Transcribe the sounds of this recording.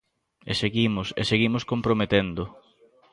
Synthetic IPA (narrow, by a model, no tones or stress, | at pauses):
eseɣimʊsḛseɣimʊskompɾomet̪end̪ʊ